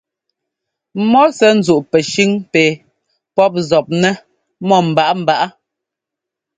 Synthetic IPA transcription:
mɔ˦sɛ˦n̩˨zu˨ʔpɛ˨ʃi˦ŋpe˨ | pɔ˦p̚zɔ˨p̚nɛ˦ | mɔ˦˨m̩˨ba˨ʔa˦m̩˨ba˨ʔa˦

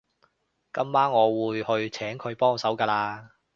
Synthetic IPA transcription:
kɐ˥mːaː˥nŋɔː˨˧wuː˨˧jhɵ˧ɥt͡sʰɛː˨˥ŋkʰɵ˨˧ɥpɔː˥ŋsɐ˨˥wkaː˧laː˧

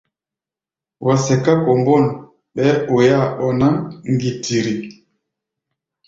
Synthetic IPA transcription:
wʔa˨sɛ˨ka˦kɔ˨mbɔ˦˨n˨ | ɓɛ˦o˨ja˦˨ɓɔ˨na˦ŋŋ˦ɡi˨ti˨ɾi˨

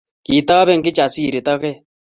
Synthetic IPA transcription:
ki˨ta˦βɛ˦ŋ̩˨ɡɪ˦t͡ʃa˨si˦ɾe˨tɔ˦ɣɛ˦

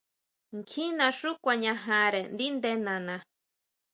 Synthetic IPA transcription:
ŋ˨kʰĩ˦nã˨ʂu˦kʷa˨ɲã˨ɦã˨ɾe˨nd̪i˦nd̪e˧nã˨nã˨

